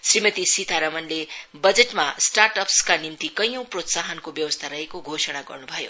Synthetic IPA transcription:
srimʌt̪isit̪ʰaɾʌmʌnlebʌd͡zeʈmasʈarʈʌpskanimt̪ikʌjʌ̃w̃prot̪saɦʌnkobjʌwʌst̪ʰaɾʌɦekoɡʱosʌɽ̃aɡʌ̰rnubʱʌjo̰

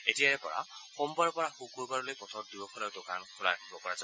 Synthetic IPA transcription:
etijaɹɛpɔ̰ɹa̰xɔmbaɹɔpɔɹaxukuɹbaɹɔlojpɔt̪ʰɔt̚dibɔkʰɔlaʊdokankʰɔla̰akʰibɔkɔɹaza

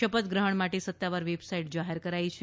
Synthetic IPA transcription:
əpət̪ɡɾəɦəɳmaʈesət̪ːaʋaɾʋebsaiʈd͡ʒaɦeɾkəɾajt͡ʃʰ

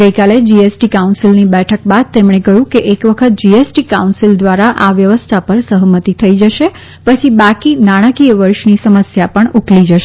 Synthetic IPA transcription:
ɡəjkaled͡ʒiesʈikaunsilnibɛʈʰək̚bad̪̚t̪emɽ̃ekəjũkeʔekʋəkʰət̪̚d͡ʒiesʈikaunsild̪ʋaɾaʔaʋjəʋəst̪ʰapəɾsəɦəmət̪it̪ʰəid͡ʒəʃe | pət͡ʃʰibakinaɽ̃əkiəʋəɾʃnisəməsjapəɳuklid͡ʒəʃe

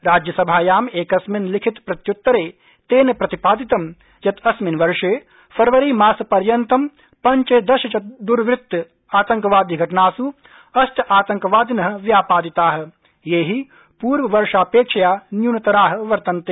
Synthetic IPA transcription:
ɾaːd͡ʒjɐsɐbʱaːjaːmeːkɐsminlɪkʰit̪pɾɐt̪jut̪ːɐɾeː | t̪eːnepɾɐt̪ipaːd̪it̪ɐm | jɐt̪ɐsminʋɐɾʂeː | fʰɐɾʋɐɾiːmaːsɐpɐɾjɐnt̪ɐm | pɐɲt͡ʃeːd̪ɐʃɐt͡ʃɐd̪uɾʋɪt̪ːɐ | aːt̪ɐ̃ŋkɐʋaːd̪iːɡʱɐʈnaːsu | ɐsʈʰɐaːt̪ɐ̃ŋkɐʋaːd̪inɐɦ̆ʋjaːpaːd̪it̪aːɦɐ̆ | jeːɦi | puːɾʋɐʋɐɾʃaːpeːkʂɐjaːnjuːnɐt̪ɐɾaːɦɐ̆ʋɐɾt̪ɐnt̪eː

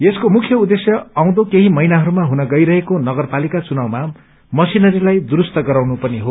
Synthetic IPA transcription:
eskomukʰjʌud̪esjʌaw̃d̪okeɦimʌjnaɦʌɾumaɦunʌɡʌjɾʌɦekonʌɡʌrpalikat͡sunawma | mʌsinʌɾilajd̪uɾust̪ʌɡʌɾaw̃nupʌniɦo

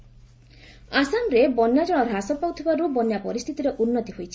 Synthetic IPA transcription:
asamɾebɔnjad͡ʒɔɽ̃ɔɾʱasɔpawt̪ʰibaɾubɔnjapɔɾist̪ʰit̪iɾeʔunːɔt̪iɦojt͡ʃʰi̥

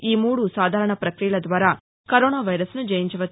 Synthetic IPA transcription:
iːmuːɽusaːd̪ʱaːɾɐɳɐpɾɐkɾijɐlɐd̪ʋaːɾaː | kɐɾɔːnaːʋɐjɾɐsnud͡ʒɐjiɲt͡ʃɐʋɐ

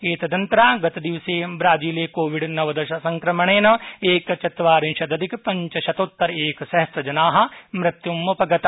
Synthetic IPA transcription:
eːt̪ɐd̪ɐnt̪ɾaːɡɐt̪ɐd̪iʋseːbɾaːd͡ʒiːleːkoːʋɪɖnɐʋɐd̪ɐʃɐsɐ̃ŋkɾɐmɐɳ̃eːnɐeːkt͡ʃɐt̪ʋaːɾĩnʃɐd̪ɐd̪ikpɐɲt͡ʃɐʃɐt̪oːt̪ːɐɾeːksɐɦɐst̪ɐd͡ʒɐnaːɦɐ̆mɾɪt̪jumːɐpɐɡɐt̪

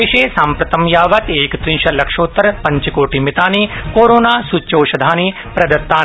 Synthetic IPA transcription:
iʃeːsãːmpɾɐt̪ɐmjaːʋɐt̪eːkt̪ɾĩnʃɐlɐkʂoːt̪ːɐɾpɐ̃ɲt͡ʃkoːʈimɪt̪aːnikoːɾoːnaːsut͡ʃːoːʃɐd̪ʱaːni | pɾɐd̪ɐt̪ːaː

